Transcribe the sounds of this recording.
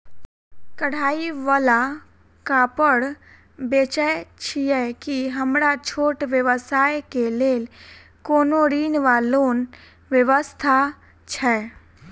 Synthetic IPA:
kəɽ̤aːiʋaːla | kapəɽ | beːt͡ʃət͡ʃʰiɛkiɦəmɽat͡ʃʰoːʈʋjəʋəsaːjkeleːl | koːnoɾiːnʋaːloːn | ʋjəʋəst̪ʰa | t͡ʃʰɛː

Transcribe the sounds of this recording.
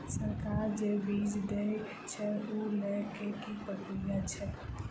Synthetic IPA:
səɾkaɾd͡ʒebid͡ʒd̪e | t͡ʃʰɛulɛkekipəʈujat͡ʃʰɛ

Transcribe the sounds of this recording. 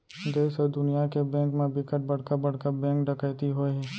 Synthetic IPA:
d̪eːsəd̪ʊnijakebɛ̃ːŋkmẽbɪkəʈ̚bɐɽ̤kabɐɽ̤kabɛ̃ːŋkɖəkəjt̪iɦoːɛ

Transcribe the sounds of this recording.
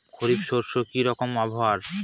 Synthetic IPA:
kʰoɾibʃoɾʃokiɾɔkomaboɦaɾ

